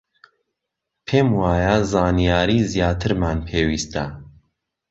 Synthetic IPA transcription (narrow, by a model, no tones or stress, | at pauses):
pʰeːmwaːjazaːnijaːɾiːzijaːt̪ʰɨɾmaːnpʰeːwiːst̪a